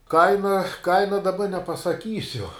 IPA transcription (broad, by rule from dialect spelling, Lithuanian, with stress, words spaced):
ˈkɐɪnɐ ˈkɐɪnɐ dɐˈbɐ nʲɛpɐsɐˈkʲiːsʲʊ